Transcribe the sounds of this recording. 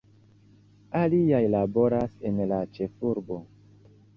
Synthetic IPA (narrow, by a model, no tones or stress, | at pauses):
aliajlabo̞ɾase̞nlat͡ʃe̞fuɾbo̞